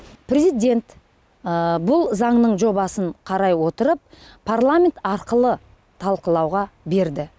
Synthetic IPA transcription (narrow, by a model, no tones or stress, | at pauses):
pʰrʲezijd̪ʲe̞nt̪ | bʊlˠzɑɴnəɴʒo̞bɑsəɴqʰɑɾɑjwo̞t̪əɾəp̚ | pʰarlˠamʲent̪ɑɾqəlˠə | t̪ʰɑlˠqəlˠɑwʁɑbe̞ɾd̪ɪ